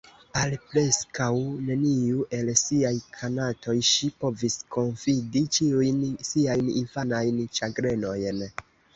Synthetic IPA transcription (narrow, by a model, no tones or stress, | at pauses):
alpɾe̞skawne̞niuʔe̞lsiajkʰanato̞jʃipo̞visko̞nfidit͡ʃiujnsiajninfanajnt͡ʃaɡɾe̞no̞jn